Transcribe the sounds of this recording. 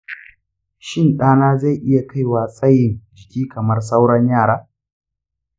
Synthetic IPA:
ʃɪ˦˨nɗaː˦naː˦za˦˨jʔɪ˦ja˨ka˦˨jwaː˨sʼɐ˦jɪ˨nd͡ʒɪ˨kʲiː˦kɐ˨mɐ˦rs̬a˦wɽɐ˦ɲjaː˦˨ɽaː˦

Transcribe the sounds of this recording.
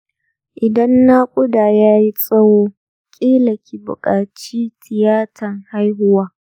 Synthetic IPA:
ʔɪ˨dɐ˦nːaː˦kʷʼʊ˦daː˨jaː˦ji˦sʼɐ˦woː˦ | kʲʼiː˦lɐ˨kʲi˨bʊ̰˨kʼaː˨t͡ʃiː˦tʰɪ˨jaː˦tʰɐ˨ŋha˦jɦʊ˦waː˦

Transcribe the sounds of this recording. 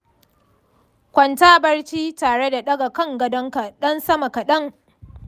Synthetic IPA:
kʷɐ˨ntaː˦bɐ˦rt͡ʃiː˦taː˨ɽe˦da˨ɗɐ˦ɡa˨kɐ˦˨ŋɡɐ˦dɐ˦ŋka˨ɗɐ˦nsɐ˦ma˨ka˨ɗɐ˦ŋ

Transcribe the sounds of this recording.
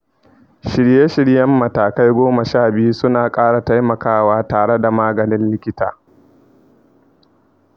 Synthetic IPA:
ʃɪ˨ɽje˦ʃɪ˨ɽjɐ˦mːɐ˨taː˨ka˦jɡʷoː˦mɐ˨ʃaː˦˨bɪ˦ju˦sʊ˦naː˨kʼaː˦ɽa˨ta˦jmɐ˨kaː˦waː˦taː˨ɽe˦da˨maː˦ɡɐ˨nɪ˦nlɪ˦kʲɪ˦ta̰ː˨

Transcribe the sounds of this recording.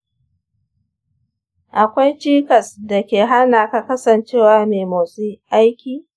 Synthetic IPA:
ʔa˨kʷa˦jt͡ʃiː˦kɐ˨sda˨kʲeː˨ɦa˦naː˨ka˨kɐ˦sɐ˨nt͡ʃeː˦waː˦meː˨moː˨su˦ʔa˦jkʲiː˨

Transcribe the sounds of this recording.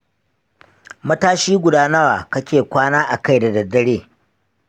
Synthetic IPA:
mɐ˦taː˦ʃiː˦ɡʷʊ˨daː˦na˦waː˨kɐ˦kʲeː˨kʷaː˦naː˦ʔa˨ka˦jda˨dɐ˨dːɐ˦ɽeː˦

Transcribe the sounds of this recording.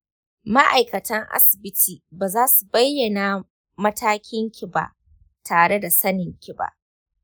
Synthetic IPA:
ma˦ʔa˨jkɐ˨tɐ˦ŋʔa̰˦sɪ̥˨bɪ˦tʰiː˨baː˨zaː˦su˨bɐ˦jːɐ˨na˨ | mɐ˦taː˦kʲɪ˦ŋkʲi˨ba̰˦˨ʔ | tʰaː˨ɽe˦da˨sɐ˦nɪ˨ŋkʲi˨ba̰˦˨ʔ

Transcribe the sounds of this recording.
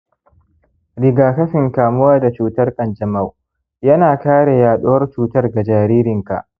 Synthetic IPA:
ɽɪ˨ɡaː˨kɐ˦ɸɪ˨ŋkaː˨mʊ˦waː˦da˨t͡ʃuː˨tɐ˦rkʼɐ˨nd͡ʒɐ˨ma˦˨w | jɐ˦naː˨kaː˦ɽe˨jaː˨ɗʊ˦wɐ˦rt͡ʃuː˨tɐ˦rɡa˨d͡ʒaː˨ɾiː˦ɾɪ˨ŋka̰˨ʔ

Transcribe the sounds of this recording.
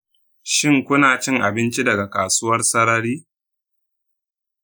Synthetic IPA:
ʃɪ˦ŋkʷʊ˦naː˨t͡ʃɪ˦ŋʔa˨bɪ˦nt͡ʃi˦dɐ˨ɡa˨kaː˨suː˦wɐ˦rsɐ˦ɾɐ˦ɾiː˦

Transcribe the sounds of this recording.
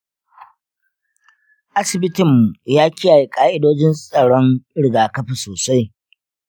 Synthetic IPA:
ʔa˦sɪ˨bɪ˦tɪ˨mːu˨jaː˦kʲɪ˦jaː˨ji˨kʼaː˦ʔɪ˦doː˦d͡ʒɪ˦nsʼɐ˨ɽɔ˦ŋɽɪ˨ɡaː˨kɐ˦ɸi˨soː˨sa˦j

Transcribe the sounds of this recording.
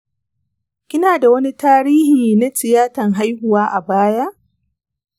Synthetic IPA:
kʲɪ˦naː˨da˨wɐ˦ni˦taː˦ɾiː˦hiː˨na˦sɪ˨jaː˦tɐ˨ŋɦa˦jhʊ˨waː˦ʔa˨baː˦ja˦ʔ

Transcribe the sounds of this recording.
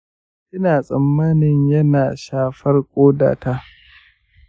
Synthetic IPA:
ʔɪ˦naː˨sʼɐ˨mːɐ˦nɪ˨ɲjɐ˦naː˨ʃaː˦˨ɸɐ˦rkʷʼoː˦da̰ː˨ta˦ʔ

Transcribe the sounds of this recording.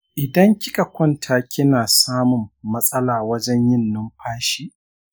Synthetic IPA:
ʔɪ˨dɐ˦ŋkʲɪ˦kʼa˨kʷɔ˦ntʰaː˨kʲʰɪ˦naː˨saː˦mʊ˨mːɐ˦sʼɐ˦laː˨wɐ˦d͡ʒɛ˦ɲjɪ˦nːʊ˦mɸʰaː˦ʃiː˦

